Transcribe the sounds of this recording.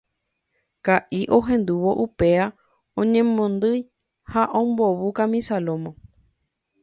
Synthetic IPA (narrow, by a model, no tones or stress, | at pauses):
kaʔiʔo̞ɦẽ̞nd̪uʋo̞ʔupe̞a | õɲẽmõnd̪ɨj | haʔõmboβukamĩsalõmõ